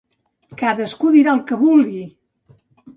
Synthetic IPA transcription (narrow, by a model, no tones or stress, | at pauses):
kaðəskuðiɾalˠkəβulˠɡi